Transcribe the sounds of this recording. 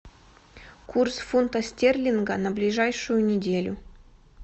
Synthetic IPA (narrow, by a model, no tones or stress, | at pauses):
kursfunt̪ɐsʲtʲerlʲinɡənɐblʲiʐajʂʊjʊnʲɪdʲelʲṵ